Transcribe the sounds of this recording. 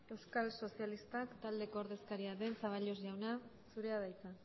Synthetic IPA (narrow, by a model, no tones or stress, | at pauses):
e̞wskalso̞sialist̪akt̪ald̪e̞ko̞ːɾðe̞skaɾiaðe̞nsaβ̞aʎo̞sʝawnasuɾe̞aðajt͡sa